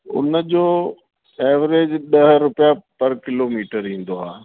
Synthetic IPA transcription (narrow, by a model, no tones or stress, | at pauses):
ʊ̰nəd͡ʑoː | ɛːʋɾeːd͡ʑɗɐɦɾʊpjapɐɾkɪloːmiːʈəɾɦĩːnd̪oaː